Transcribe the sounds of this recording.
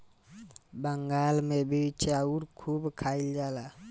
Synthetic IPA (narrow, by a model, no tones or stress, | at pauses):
bəŋɡalmebit͡ʃʰeauɾkʰubkʰaild͡ʒala